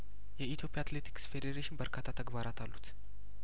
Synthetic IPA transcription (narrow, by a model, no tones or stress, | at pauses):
jɛit̪ʰjo̞pʰːjaat̪let̪ʰi̥ksfed̪eɾeʃɪnbəɾkʰat̪ʰːat̪ʰəɡbaɾat̪ʰalːut̪